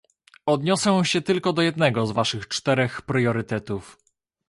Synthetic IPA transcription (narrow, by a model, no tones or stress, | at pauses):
ɔd̪ɲɔsɛw̃ɕɛt̪ɘlkɔd̪ɔjɛd̪nɛɡɔzvaʂɘxt͡ʂt̪ɛɾɛxpɾjɔɾɘt̪ɛt̪uf